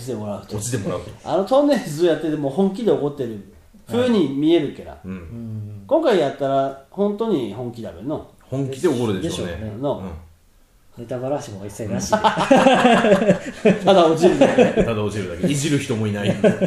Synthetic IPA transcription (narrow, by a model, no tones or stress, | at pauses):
t͡ɕit̪emo̞ɾaɯ̟t̪oot͡ɕi̥t̪e̞mo̞ɾaɯt̪oa̰no̞t̪õ̞nːezɨojat̪ːe̞t̪emoːhõ̞ŋkʲid̪e̞o̞ko̞t̪ːe̞ɾɯ̟ | ɸɯ̟ːɲ̟imʲie̞ɾɯ̟keɾa̰ɯ̃kõŋkaijat̪ːaɾahõ̞nt̪o̞ɲ̟ihõ̞ŋkʲid̪a̰beno̞ | hõŋkʲid̪e̞okoɾɯd̪eɕeɕonḛnõ | net̪abaɾaɕimoisːanaɕi | t̪ad̪aot͡ɕiɾɯd̪amad̪aot͡ɕiɾɯ̟d̪akeiʑiɾɯ̟çi̥t̪o̞moinai